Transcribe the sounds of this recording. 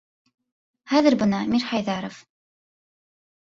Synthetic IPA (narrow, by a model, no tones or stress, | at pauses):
hæðɘɾbɤnɑmiɾħæjðæɾof